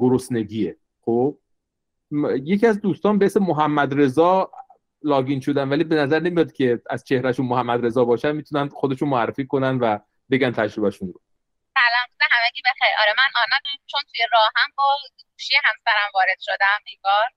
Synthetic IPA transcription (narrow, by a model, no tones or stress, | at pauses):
ɡ̥oɾosne̞ɡiːe | xob̥̚ | je̞cʰiæzd̪uːst̪ɒːnbehesemoɦæmːæd̪ɾe̞zɒː | lɒːɡinʃod̪ænvæliːbe̞næzæɾne̞mijɒd̪̚cʲʰe̞æzt͡ʃʰe̞hɾæʃunmohæmːæd̪ɾe̞zɒːbɒːʃænmiːt̪ʰunænd̪xod̪e̞ʃunmoærːe̞fiːkʰo̞nænd̪væ | be̞ɡænt̪ʰæd͡ʒɾobæʃunɾo | sælæmuzeɦæmeɡibexejɒ̰ɾemænʔɒːnæd̪æt͡ʃʰont̪ʰujeɾɒːhæmbɒːɡuːʃejeɦæmsæɾæmvɒːɾed̪̥ʃod̪æmeŋɡɒːɾ